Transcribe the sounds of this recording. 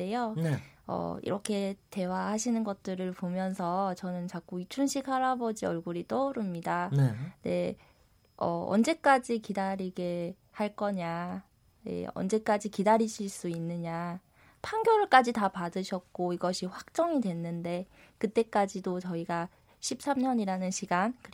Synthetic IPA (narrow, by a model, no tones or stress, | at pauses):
ejoʌ̰ḭɾʌkʰe̞te̞waɦaɕʰinɯnɡʌt̚t͈ɯɾɯɭpomjʌnsʰʌt͡ɕʌnɯnt͡ɕak͈uit͡ɕʰunɕʰikʰaɾabʌd͡ʑiʌɭɡuɾit͈ʌɾɯmɲidanne̞ | ʌ̰ʌ̰nd͡ʑe̞k͈ad͡ʑikidaɾiɡe̞ | haɭk͈ʌɲa | jḛʌ̰nd͡ʑe̞k͈ad͡ʑikidaɾiɕʰiɭs͈uinːɯɲa | pʰaŋɡjʌɭk͈ad͡ʑitapadɯɕʰʌk̚k͈oiɡʌɕʰiɸwak̚t͡ɕ͈ʌŋidwe̞nːɯnde̞ | kɯt͈e̞k͈ad͡ʑidot͡ɕʌiɡa | ɕʰip̚s͈amɲʌɲiɾanɯnɕʰiɡankɯ